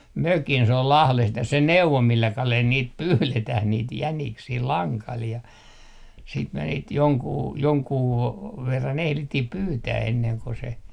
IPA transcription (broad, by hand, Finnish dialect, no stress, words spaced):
møkin s ol lɑhlest jɑ se neuʋo milːæ kɑlel niːt pyːletæh niːt jæniksiː lɑŋkɑl jɑ siːt me niːt joŋkuː joŋkuː ʋerːɑn ehlitːih pyːtæː enːeŋ ko se